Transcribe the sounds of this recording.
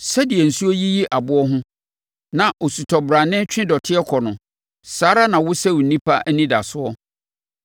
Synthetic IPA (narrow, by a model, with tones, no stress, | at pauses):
sɛ˦dɪ˨ɛ˨n̩˨su˦ɔ˦ji˦ji˦ʔa˨bʊ˦ɔ˦ɦʊ̃˦ | nã˨ʔɔ˨su˨tʰɔ˨bɾa˨nɪ̃˦t͡ɕᶣɪ̃˦dɔ˨tʰɪ˦ɛ˦kʰɔ˨nʊ̃˨ | saː˨˦ɾa˦nã˨wʊ˦sɛ˦wʊ˨nĩ˦pʰa˦ʔnĩ˦da˨sʊ˦ɔ˦